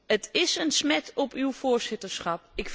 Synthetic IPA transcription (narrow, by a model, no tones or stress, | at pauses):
ətɪsənsmɛtɔpywv̥oːɹzɪtəɹsχɑp̚ɪkf